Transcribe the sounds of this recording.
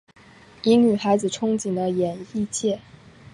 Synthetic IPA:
i˧˥ŋny˨˩xa˧˥ɪd͡zɹ̩˨˩ʈ͡ʂʰʊ˥ŋt͡ɕi˨˩ŋd̪ə˦jɛ˨˩ni˥˧t͡ɕʰjɛ˥˩

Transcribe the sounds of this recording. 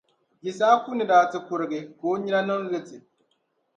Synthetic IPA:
ji˨saː˦ku˦nɨ˨daː˨tɨ˨kʊ˨ɾɨ˨ɡɨ˨koː˦ɲi˦ɾa˦nɨ˦ŋ˦ɣɨ˦tɨ˨

